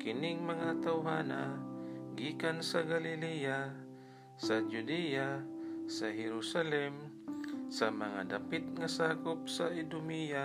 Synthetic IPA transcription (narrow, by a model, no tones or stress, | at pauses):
kɪniŋmaŋat̪awɦana | ɡiːkansaɡalilija | sad͡ʒud̪ijasaɦɛɾusalɛm | samaŋa̰d̪apɪt̪̚ŋasaːkʊp̚saʔɪd̪ʊmija